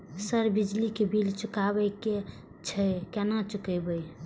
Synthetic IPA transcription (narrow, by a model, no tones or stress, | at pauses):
səɾbid͡ʒlikebilt͡ʃukabəke | t͡ʃʰəkɛnat͡ʃukəbəj